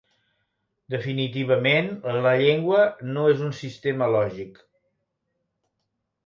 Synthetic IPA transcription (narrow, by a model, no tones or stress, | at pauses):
d̪əfinit̪̬iβ̞əmenləʎeŋɡwənoezunsist̪eməlɔʒik